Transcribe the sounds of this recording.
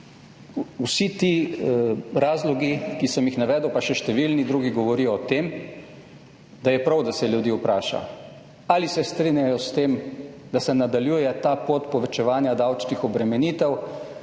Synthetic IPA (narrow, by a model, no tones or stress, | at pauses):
usit̪i | ɾaːzlɔɡikisəmjixnaʋɛːd̪əwpaʃɛʃt̪ɛʋilnid̪ɾuːɡiɡɔʋɔɾijɔɔt̪eːm | d̪ajɛpɾawd̪asɛljud̪iːupɾaːʃa̰ | alisɛst̪ɾinjajɔst̪eːmd̪asɛnad̪aljuːjɛt̪apot̪pɔʋɛt͡ʃɛʋaːnjad̪awt͡ʃnixɔbɾɛmɛniːt̪ɛw